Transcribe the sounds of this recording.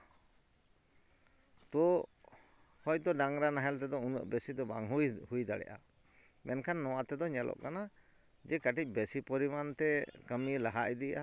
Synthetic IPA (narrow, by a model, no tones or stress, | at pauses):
t̪ɔ | hɔjt̪ɔɖaŋɾanaɦɛlt̪ɛd̪ɔunɔ̰ʔbɛsid̪ɔba̰ŋɦujhujd̪a̰ɽɛ̰ʔa̰ | mɛnkʰanːɔwat̪ɛd̪ɔɲɛlʔɔ̰ʔkana | d͡ʒɛkaʈic̚ˀbesipɔɾimant̪ɛkəmilaɦaʔid̪ija